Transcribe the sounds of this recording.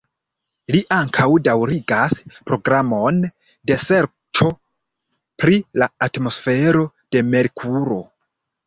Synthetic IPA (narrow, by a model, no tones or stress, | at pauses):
liʔaŋkʰawdawɾiɡaspɾo̞ɡɾamo̞n | de̞se̞ɾ | t͡ʃo̞ | pɾilaatmo̞sfe̞ɾo̞ | d̥e̞me̞ɾkʰuɾo̞